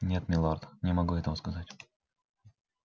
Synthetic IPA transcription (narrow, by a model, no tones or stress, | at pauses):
nʲe̞t̪mʲɪlˠart̪nʲɪmɐɡuɛt̪əvəskɐzatʲ